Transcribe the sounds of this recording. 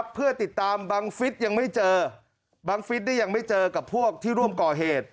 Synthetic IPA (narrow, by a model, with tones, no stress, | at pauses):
pʰːɯ˥˩ɐt̪i˨˩t̪ːaː˧mbaː˧ŋfi˦˥t̪̚ja˧ŋma˥˩jt͡ɕɤː˧ | baː˧ŋfi˦˥t̪̚naː˥˩ja˧ŋma˥˩jt͡ɕɤː˧ka˨˩pʰu˥˩ək̚t̪ʰiː˥˩ɾu˥˩əmkɔː˨˩ɦeː˨˩t̪̚